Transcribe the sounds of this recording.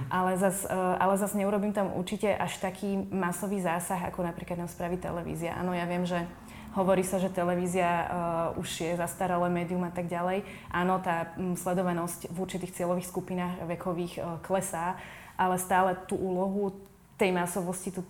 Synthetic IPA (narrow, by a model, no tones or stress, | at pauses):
ʔalɛzasa̰lɛzazɲɛuɾɔbiːmt̪amṵɾt͡ʃicɛʔaʃt̪akʰiːmasɔʋiːzaːsaɣa̰kɔnapɾiːklad̪namspɾaːʋit̪ɛ̰lɛʋḭːziaʔa̰ːnɔjaʋɪɛmʒɛ | ɦɔʋɔɾiːsaʒɛt̪ɛlɛʋiːziauʒjɛzast̪aɾɛlɛmɛːd̪ijumat̪aɡɟalɛj | ʔaːnɔt̪aːslɛd̪ɔʋanɔscvuɾt͡ʃit̪iːxt͡sɪɛlɔʋiːxskupinaːxʋɛkɔʋiːxklɛsaː | ʔalɛst̪aːlɛt̪uːʔuːlɔɦu | t̪ɛjmasɔʋɔscit̪u